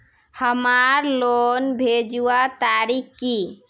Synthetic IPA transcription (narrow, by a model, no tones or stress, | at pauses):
həmaɾlonbʱed͡ʒuat̪aɾikki